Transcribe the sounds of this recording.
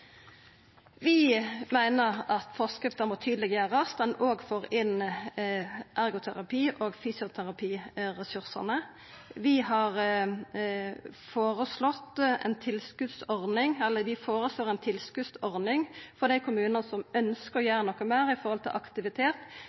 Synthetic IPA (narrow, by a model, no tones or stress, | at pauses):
ʋɪmæɪnəʁɑt̪fɔʁskɾɪft̪əmɔːt̪ʰyːd̪lɪɡjøːɾəɑst̪mɛnoːɡfoːɾɪn | ʔæɾɡʊt̪ʰæʁɑpʰiːʔoːɡfyːsɪʊt̪ʰæɾɑpʰiːɾɛsʉɾsə̰nə | ʋɪhɑʁ | foːɾəslɔt̪ːɛ̰nt̪ʰɪlskʉd̪sɔɾnɪŋɛlːəɾʋɪfoːʁəsloːɾɛnt̪ʰɪlskʉsɔʁnɪŋfɔʁd̪æɪkʰʊmʉːnɑnəsɔmœnskəɾɔjæːɾənɔkːəmæːɾɪfɔɾʁhɔlt̪ʰɪ̰lʔɑkt̪ɪʋɪt̪ʰeːt̪